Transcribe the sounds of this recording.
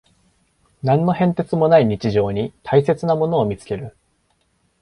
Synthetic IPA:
nãnːo̞hẽ̞nt̪e̞t͡sɨmo̞naiɲ̟it͡ɕiʑo̞ːɲ̟it̪ʰaise̞t͡sɨnamo̞no̞ːmʲit͡sɨ̥ke̞ɾɯ̟

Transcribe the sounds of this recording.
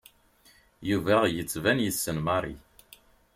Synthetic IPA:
juvæʁjət͡sːvænjəsːənmɑɾˤḭ

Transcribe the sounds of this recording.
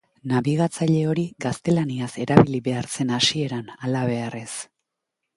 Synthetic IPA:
naβiɣ̞at͡saʎe̞o̞ɾiɡast̪e̞laniase̞ɾaβiliβe̞aɾt͡se̞nasie̞ɾanalaβe̞are̞s

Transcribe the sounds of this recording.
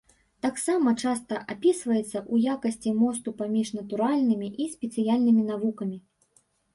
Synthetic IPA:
t̪aksamɐt͡ʂast̪ɐʔapʲisvɐjɛt̪sːɐʔujakɐsʲt͡sʲimɔs̬t̪upamʲiʂnɐt̪uɾalʲnɨmʲiʔisʲpʲɛt̪sɨjalʲnɨmʲinavukɐmʲi

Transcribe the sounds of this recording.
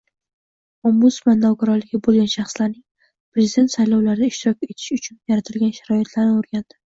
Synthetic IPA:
ɒmːʊsblanːawkʲaɾɒlɪɡʲɪbolˠɡʲanʃɑχslaɾnɪŋ | pɾezɪd̪e̞t̪sajlɒwlaɾɪd̪aɪʃt̪ɪɾɒkʲe̞t̪ʰɪ̥ʃʊt͡ʃʰʊnjaɾat̪ʰɪlɡʲanʃaɾɒɪt̪ʰlaɾnɪoɾɡʲand̪̥ɪ̥

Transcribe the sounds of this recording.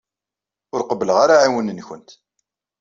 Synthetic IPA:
ʊɾqəbːələʁaɾaʕawənənçənt̪

